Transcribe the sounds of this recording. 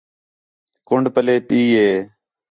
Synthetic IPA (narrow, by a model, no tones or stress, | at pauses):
kʊɳɖpəleːpiːɦeː